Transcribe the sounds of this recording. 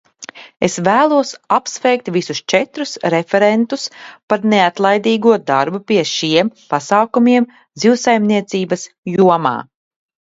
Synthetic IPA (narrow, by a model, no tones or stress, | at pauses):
esvæːlˠuɔsapsvɛjk̚t̪visust͡ʃɛt̪ɾusɾefɛɾent̪uspaɾneat̪lˠajd̪iːɡuɔd̪aɾbupʲiɛʃiɛmpasaːkumiɛm | d̪ziwsajmniɛt̪siːbɐs | juɔma̰ː